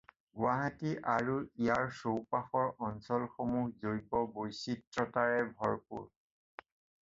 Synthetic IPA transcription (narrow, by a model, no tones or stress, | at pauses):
ɡʊaɦatiʔaɹuijaɹsowpaxɔɹʔɔnsɔlxomuhzoɹjbɔbojsitːɹɔtaɹɛbʱɔɹpṵɹ